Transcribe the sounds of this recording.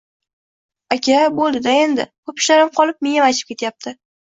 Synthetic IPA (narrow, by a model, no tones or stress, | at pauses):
akʲʰabolˠd̪ɪd̪ae̞nd̪ɪ̰kʰɵpʰɪ̥ʃlaɾɪmqʰɒlˠɪp̚meŋamajt͡ʃʰɪ̥p̚kʲe̞t̪jap̚t̪ʰɪ